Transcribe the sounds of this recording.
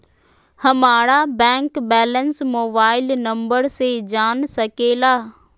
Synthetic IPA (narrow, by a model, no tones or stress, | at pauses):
hɐmaːɽabɛ̃ːŋkbɛːlənsmoːbaːɪlnɐ̃mbəɾsed͡ʑaːnsɐkelaː